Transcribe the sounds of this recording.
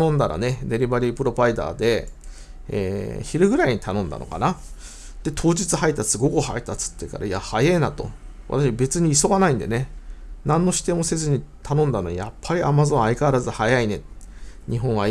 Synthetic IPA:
õnd̪aɾa̰ne̞d̪e̞ɾʲibaɾʲipɯ̟ɾo̞baid̪a̰ːd̪e̞ | ḛːçiɾɯ̟ɡɯ̟ɾaiɲ̟it̪anõ̞nd̪a̰no̞̰ka̰na | d̪̥e̞t̪ʰo̞ːd͡ʑit͡sɨɦait̪ːasɨɡo̞kɯ̟hait̪ːat͡sɨ̥t̪ːeka̰ɾaijahajeːnat̪o̞βʔa̰t̪aɕibe̞t͡sɨɲ̟iːso̞ɡanaĩnd̪e̞̰ne̞nãnːoɕi̥t̪ẽ̞ose̞zɨɲ̟it̪ʰanõ̞nd̪anojapʰːaɾʲiamazõ̞ɰ̃aikaːɾazɨhajaine̞tɲ̟iɦõ̞ɰ̃a

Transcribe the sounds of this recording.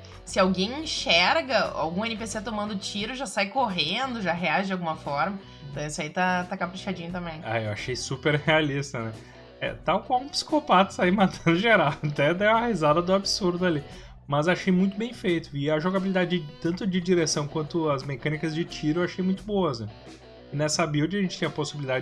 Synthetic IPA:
sɪawɡẽj̃ĩʃɛɾɡɐa̰wɡũẽnɪpeset̪omɐ̃nd̪ʊt͡ʃiɾʊʒasajkoɦẽnd̪ʊʒaɦeaʒɪd͡ʒawɡumɐfɔɾmɐ̃t̪ɐ̃w̃isʊait̪at̪akapɾiʃad͡ʒĩɲʊt̪ɐ̃mbẽj̃a̰ewa̰ʃejsupeɾhealist̪ɐnɛ | ɛ̰t̪awkwawũpi̥si̥kopat̪ɐ̥saimat̪ɐ̃nd̪ʊʒeɾawɐt̪ɛd̪ɛɐhizad̪ɐd̪ʊabisuɾd̪ʊali | mɐzaʃejmũj̃t̪ʊbẽj̃fejt̪ʊɪɐʒoɡabilid̪ad͡ʒɪɪt̪ɐ̃nt̪ʊd͡ʒɪd͡ʒiɾesɐ̃w̃kwɐ̃nt̪ʊɐzmekɐ̃nikɐzd͡ʒɪt͡ʃiɾʊewaʃejmũj̃t̪ʊbowɐznɛ̃ | ɪnɛsɐbiwd͡ʒɐʒẽt͡ʃɪt͡ʃĩɲɐposibilid̪ad͡ʒɪ

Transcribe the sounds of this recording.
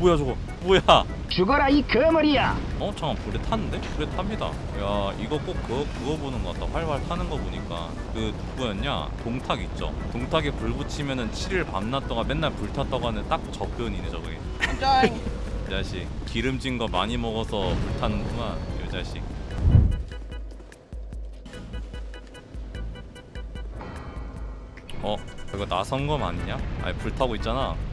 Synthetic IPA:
pojad͡ʑoɡo | poja | t͡ɕuɡʌɾaikɯmɯɾija | ʌt͡ɕʰaŋampɯɾetʰanɯnde̞pɯɾetʰamɲida̰ | jaiɡʌk͈okk͈ːɯʌkɯɡʌbonɯnɡʌk͈a̰t͈aɸwaɭwaɭtʰanɯnɡʌboɲik͈a̰ | kɯtubujʌnɲa̰toŋtʰaɡit̚t͡ɕ͈o̰toŋtʰaɡepuɭbɯt͡ɕʰimjʌnɯnt͡ɕʰiɾɯɭpa̰mnat͈ʌɡame̞nːaɭpuɭtʰat͈aɡanɯnt͈ak̚t͡ɕʌpʰjʌnined͡ʑʌɡɯɡe | jed͡ʑaɕ͈ʰik̚kiɾɯmd͡ʑinɡʌmaɲimʌɡʌsʰʌpuɭtʰanɯnbuŋanjod͡ʑaɕ͈ʰik̚ | ʌkɯiɡʌnasʰʌnɡʌma̰ɲiɲaa̰ipuɭtʰaɡoit̚t͡ɕ͈ana

